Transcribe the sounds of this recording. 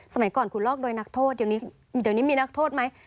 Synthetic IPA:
sa˧ma˨˩˦jkɔː˨˩nkʰu˨˩lɔː˥˩k̚do˧jna˦˥k̚t̪ʰoː˥˩t̪̚di˨˩niː˦˥ | di˨˩niː˦˥miː˧na˦˥k̚t̪ʰoː˥˩t̪̚ma˦˥j

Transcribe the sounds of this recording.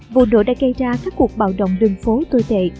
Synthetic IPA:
vo̰˧˨no̰˧˨ɗa̰ː˧˥ɣə˧jzaː˧kaː˦˥kːu˨˩ək̚ɓa̰ː˧˨wɗə̰˧˨wŋ͡mɗɨ˨˩ŋfo˨˦t̪o˧jt̪ḛ˧˨

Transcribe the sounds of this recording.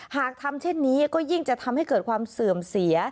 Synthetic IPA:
haː˨˩k̚t̪ʰa˧mt͡ɕʰe˥˩nːiː˦˥kɔː˥˩ji˥˩ŋt͡ɕa˨˩t̪ʰa˧mha˥˩jkɤː˨˩t̪̚kʰwaː˧msɯ˨˩əmsi˨˩˦ɐ

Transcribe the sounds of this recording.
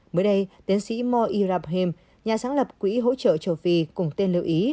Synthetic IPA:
məː˨˦jɗə˧jt̪i˨˦əŋsḭ˧˥mɔ˧ʔi˧zaː˧˩p̚ɦi˧m | ɲaː˨˩saː˨˦ŋlə˨˩p̚kwḭ˧˥ɦo̰˧˥t͡ɕə̰ː˧˨t͡ɕə˧˩wfi˧kʊ˨˧˩ŋ͡mt̪e˧nli˧˨ʔi˨˦

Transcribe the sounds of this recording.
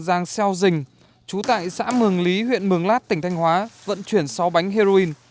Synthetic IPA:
zaː˧ŋsɛ˧wzï˨˩ŋ̟ | t͡ɕu˨˦t̪a̰ː˧˨jsa̰ː˧˥mɨ˨˩əŋli˨˦ɦwḭ˧˨ənmɨ˨˩əŋlaː˦˥t̚t̪ï˩ŋ̟t̪ʰa˧jŋ̟ɦwaː˨˦və̰˧˨nt͡ɕwi˧˩ənsɔ˨˦wɓa˨˦jŋ̟ɦe˧zo˧i˧n

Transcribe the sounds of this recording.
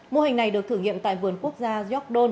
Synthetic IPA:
mo˧hi˨˩ŋ̟na˨˩jɗɨ˨˩ək̚t̪ʰɨː˧˩ŋḭ˧˨əmt̪a̰ː˧˨jvɨ˨˩ənku˦˥ək̚zaː˧zɔ˦˥k̚ɗo˧n

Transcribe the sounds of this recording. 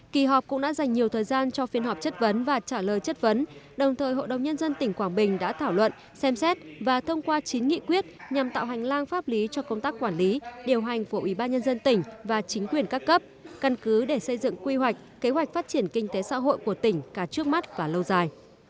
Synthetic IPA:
ki˨˩ɦɔː˨˩p̚kʊ̰˧˥ŋ͡mɗa̰ː˧˥za˨˩jŋ̟ɲi˨˩əwt̪ʰəː˨˩jzaː˧nt͡ɕɔ˧fi˨˦ənɦɔ˨˩p̚t͡ɕə˦˥t̚və˨˦nvaː˨˩t͡ɕaː˧˩ləː˨jt͡ɕə˦˥t̚və˨˦nɗə˨˩wŋ͡mt̪ʰəː˨˩jɦo̰˧˨ɗə˨˩wŋ͡mɲə˧nzə˧nt̪ï˧˩ŋ̟kwaː˧˩ŋɓï˨˩ŋ̟ɗa̰ː˧˥t̪ʰaː˧˩wlwə̰˧˨n | sɛ˧msɛ˦˥t̚vaː˨˩t̪ʰə˧wŋ͡mkwaː˧t͡ɕi˨˦nŋḭ˧˨kwi˦˥ət̚ɲa˨˩mt̪a̰ː˧˨wɦa˨˩jŋ̟laː˧ŋfaː˦˥p̚li˨˦t͡ɕɔ˧kə˧wŋ͡mt̪aː˦˥k̚ːwaː˧˩nli˨˦ɗi˨˩əwɦa˨˩jŋ̟fu˧˩əʔwʔi˧˩ɓaː˧nɲə˧nzə˧nt̪ï˧˩ŋ̟vaː˨˩t͡ɕï˨˦ŋ̟kwi˨˩ənkaː˦˥kːə˦˥p̚ka˧˩nkɨ˨˦ɗe˧˩sə˧jzɨ̰˧˨ŋkwi˧hwa˨˩jk̟̚ke˨˦ɦwa˨˩k̟̚faː˦˥t̚t͡ɕi˧˩ənkï˧ŋ̟t̪e˨˦sa̰ː˧˥ɦo̰˧˨jku˧˩ət̪ï˧˩ŋ̟kaː˧˩t͡ɕɨ˦˥ək̚ma˦˥t̚vaː˨˩lə˧wzaː˨˩j

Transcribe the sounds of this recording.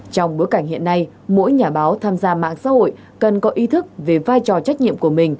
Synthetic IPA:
t͡ɕɔ˧wŋ͡mɓu˨˦əka˧˩jŋ̟hḭ˧˨ənːa˧j | mo̰˧˥jɲaː˧˩ɓaː˨˦wt̪ʰaː˧mzaː˧ma̰ː˧˨ŋsa̰ː˧˥ho̰˧˨j | kə˨˩nkɔ˨˦ʔi˨˦t̪ʰɨ˦˥k̚ve˨˩vaː˧jt͡ɕɔ˨˩t͡ɕa˦˥k̟̚ɲḭ˧˨əmku˧˩əmï˨˩ŋ̟

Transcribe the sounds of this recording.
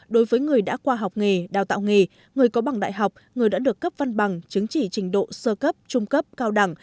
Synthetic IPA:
ɗo˨˦jvəː˨˦jŋɨ˨˩əjɗa̰ː˧˥kwaː˧ɦa˨˩wk͡p̚ŋe˨˩ɗaː˨˩wt̪a̰ː˧˨wŋe˨˩ | ŋɨ˨˩əjkɔ˨˦ɓa˨˩ŋɗa̰ː˧˨jɦa˨˩wk͡p̚ŋɨ˨˩əjɗa̰ː˧˥ɗɨ˨˩əkːə˦˥p̚va˧nɓa˨˩ŋt͡ɕɨ˨˦ŋt͡ɕi˧˩t͡ɕï˨˩˦ŋ̟ɗo̰˧˨səː˧kə˦˥p̚t͡ɕʊ˧ŋ͡mkə˦˥p̚kaː˧wɗa˧˩ŋ

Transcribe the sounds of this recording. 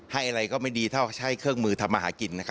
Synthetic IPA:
ha˥˩jʔa˧ɾa˧jkɔː˥˩ma˥˩jdiː˧t̪ʰa˥˩˥t͡ɕʰa˥˩jkʰɯ˥˩əŋmɯː˧t̪ʰa˧mːa˧ɦaː˩˦ki˧nːa˦˥kʰ

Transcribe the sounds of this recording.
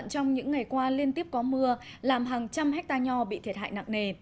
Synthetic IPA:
nt͡ɕɔ˧wŋ͡mɲɨ̰˧˥ŋːa˨˩jkwaː˧li˧ənt̪i˦˥əp̚kɔ˨˦mɨ˧əlaː˨˩mɦaː˨˩ŋt͡ɕa˧mɦɛ˦˥k̟̚t̪aː˧ɲɔ˧ɓḭ˧˨t̪ʰi˨˩ət̚ha̰ː˧˨jna̰˧˨ŋne˨˩

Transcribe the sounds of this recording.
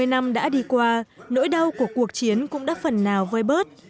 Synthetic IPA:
əjna˧mɗa̰ː˧˥ɗi˧kwaː˧no̰˧˥jɗa˧wku˧˩əku˨˩ək̚t͡ɕi˨˦ənkʊ̰˧˥ŋ͡mɗa̰ː˧˥fə˨˩nːaː˨˩wvəː˧jɓəː˦˥t̚

